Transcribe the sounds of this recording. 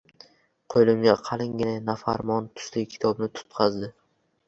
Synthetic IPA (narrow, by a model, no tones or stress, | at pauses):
qʰojlɪmɡʲaqʰɑlˠɪŋɡʲɪnɪnafa̰ɾmɒnt̪ʰʊ̥slɪkʲʰɪ̥t̪ʰɒbnɪt̪ʰʊ̥t̪qʰɑzd̪ɪ